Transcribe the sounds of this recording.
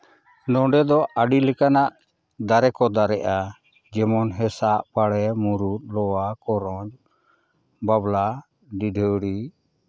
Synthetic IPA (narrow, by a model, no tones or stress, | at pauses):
nɔ̃ɖɛd̪ɔaɖilɛkanaʔ | d̪aɾɛkɔd̪aɾɛʔa | d͡ʒɛmɔnɦɛsaʔpaɽɛmuɾut̪̚lɔwakɔɾɔ̃d͡ʒ | babla | ɖidʱəɽi